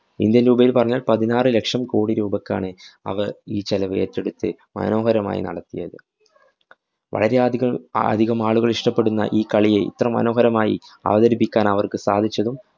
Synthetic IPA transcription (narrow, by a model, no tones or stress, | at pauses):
ḭnd̪jɐnɾuːbɐjilpɐrɐɲːaːlpɐðinaːrɨle̞kʂɐmko̞ːɽiɾuːbɐkːa̰ːɳɨɐ̰ʋɐriːt͡ɕɐlɐʋe̞̰ːtːe̞ɽut̪ːɨ | mɐ̰no̞ːɦɐɾɐma̰ːjḭnɐ̰ɽɐt̪ːijɐ̰ðɨ | ʋɐ̰ɭɐɾeaɐɐ̰d̪ʱiɣɐmaːɭuɣɐɭiʂʈɐpːe̞ɽunːɐ̰ʔiːkɐɭijeʔḭt̪rɐmːɐ̰no̞ːɦɐɾɐmaːjḭɐ̰ʋɐðɐɾipːikʲːaːnɐʋɐrkɨsa̰ːd̪ʱit͡ɕːɐðum